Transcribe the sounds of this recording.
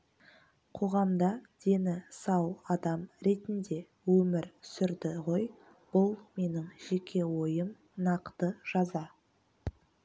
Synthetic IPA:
qʰo̞ʁɑmd̪ɑd̪̥e̞nɪsɑwɑd̪ɑmɾe̞t̪ɪnd̪e̞ | wɵmɪɾsʏɾd̪ɪʁo̞j | b̥ʊlˠme̞nɪŋʒ̥e̞kʲʰe̞wo̞jəm | nɑqt̪əʒ̥ɑzɑ

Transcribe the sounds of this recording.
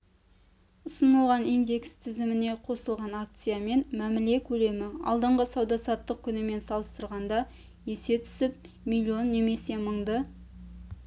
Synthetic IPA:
ʊsənəlˠʁɑnind̪e̞kst̪ʰɪzɪmɪne̞qʰo̞səlˠʁɑnak̚t̪sɨjame̞nmæmɪle̞kʲʰɵle̞mɪɑ̰lˠd̪əɴʁəsɑwd̪ɑsɑt̪ːəq̚kʲʰʏnɪme̞nsɑlˠəst̪əɾʁɑnd̪ɑ | je̞se̞t̪ʰʏ̥sɪp̚ | milʲio̞nːe̞me̞se̞məɴd̪ə

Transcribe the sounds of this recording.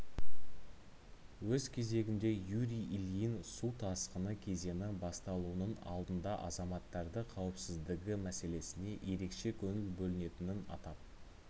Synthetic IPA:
wɵzkʲʰe̞ze̞ɡʲɪnd̪e̞juɾʲijiljɪnsut̪ʰɑsqənəkʲʰe̞ze̞nɪbɑst̪ɑlˠuənənɑ̰lˠd̪ənd̪ɑʔɑzɑmɑt̪ːɑɾd̪əqʰɑwəpsɪzd̪ɪɡʲɪmæse̞le̞sɪne̞ʔje̞ɾe̞kʃe̞kʲʰɵnɪlbɵlɪne̞t̪ɪnɪnɑ̰t̪ɑp̚

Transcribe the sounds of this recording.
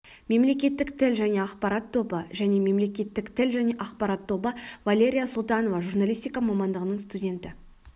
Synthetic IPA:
me̞mle̞kʲe̞t̪ːɪkt̪ʰɪlʒæne̞ɑqpɑɾɑt̪ʰːo̞bəʒæne̞me̞mle̞kʲe̞t̪ːɪkt̪ʰɪlʒæne̞ʔɑqpɑɾɑt̪ʰːo̞bəvalʲe̞ɾʲijasʊlˠt̪ɑno̞vɑʒurnalʲijst̪ʲijkamɑmɑnd̪əʁənəɴst̪udʲe̞nt̪ɪ

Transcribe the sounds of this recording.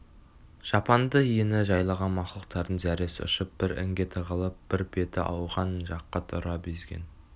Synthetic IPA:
ʒ̥ɑpɑnd̪əijɪnɪʒɑjlˠɑʁɑnmɑχlˠəq̚t̪ɑɾd̪ənzæɾesɪʊ̰ʃɪp̚b̥ɪɾɪ̰ŋɡʲet̪ʰəʁəlˠəp̚b̥ɪɾbe̞t̪ɪ̰ʔɑwʁɑnʒɑqːɑt̪ʰʊɾɑbezɡʲḛn

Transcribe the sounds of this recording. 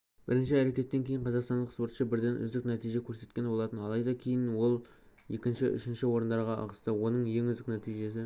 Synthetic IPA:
b̥ɪɾɪnʃ̬ɪæɾe̞kʲe̞t̪ːeŋkʲʰeɪɴqʰɑzɑqst̪ɑnd̪əqspo̞ɾt̪ʃəbɪɾd̪e̞nʏ̰zd̪ɪknæt̪ijʒekʲʰɵɾse̞t̪̚kʲe̞nbo̞lˠɑt̪ənɑlˠɑjd̪ɑkʲʰe̞jɪnwo̞lˠ | je̞kʲɪnʃɪʔʏ̰ʃɪnʃɪwo̞ɾənd̪ɑɾʁɑɑ̰ʁəst̪əwo̞nəɴje̞ŋʏzd̪ɪknæt̪ijʒe̞s̬ɪ

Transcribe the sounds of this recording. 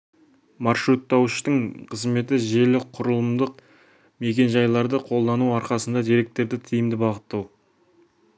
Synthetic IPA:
mɑrʃɾut̪ːɑwʃt̪əɴqʰəzme̞t̪ɪʒe̞lɪqʰʊɾəlˠəmd̪əq̚ | me̞kʲe̞nʒɑjlˠɑɾd̪əqʰo̞lˠd̪ɑnuɑɾqɑsənd̪ɑd̪ijɾe̞k̚t̪e̞ɾd̪ɪt̪ʰijɪmd̪ɪbɑʁət̪ːɑw

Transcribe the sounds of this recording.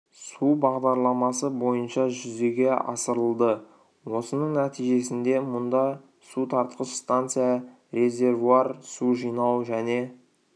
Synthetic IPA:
subɑʁd̪ɑɾlˠɑmɑsəbo̞jənʃɑʒʏze̞ɡʲe̞ʔɑ̰səɾəlˠd̪ə | wo̞sənəɴnæt̪ijʒe̞sɪnd̪e̞mʊnd̪ɑ | sut̪ʰɑɾt̪qəʃst̪ant̪sɨjɑ | ɾe̞zʲe̞rvuarsuʒijnɑwʒæne̞

